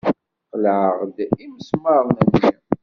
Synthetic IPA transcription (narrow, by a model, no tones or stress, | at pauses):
qəlʕəʁd̪iməsməɾˤnənjə